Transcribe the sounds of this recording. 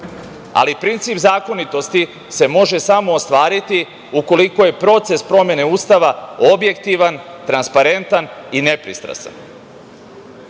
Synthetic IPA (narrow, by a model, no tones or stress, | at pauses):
a̰lipɾint̪siːpzaːko̞nit̪o̞st̪i | se̞mo̞ʒe̞samo̞ːst̪ʋaːɾit̪i | uko̞liko̞je̞pɾo̞t̪se̞spɾo̞mje̞ne̞uːst̪aʋaobje̞k̚t̪iʋant̪ɾanspaɾe̞nt̪anine̞pɾḭst̪ɾa̰sa̰n